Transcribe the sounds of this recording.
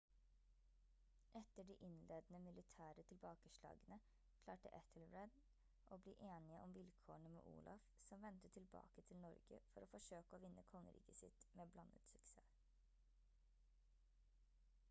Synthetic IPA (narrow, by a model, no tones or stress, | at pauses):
ʔɛt̪əɖiːʔɪnleːd̪n̩əmɪlɪt̪ʰæːɾət̪ʰɪlbɑːkəʃlɑ̰ːɡənə | kʰlɑːʈə̰ʔɛt̪ʰəlbɾɛd̪ | ʔoːbliːʔeːnɪəʔɔmʋɪlkʰoːɳəmḛːʔṵːlʔɑ̰fsɔmʋɛnt̪ət̪ʰɪlbɑ̰ːkət̪ʰɪlnɔɾɡə̰fɔɾoːfɔʂøːkəoːʋɪnːʔəkʰɔŋə̰ɾḭːkəsɪ̰t̪meːblɑnːə̰t̪sɪk̪sæː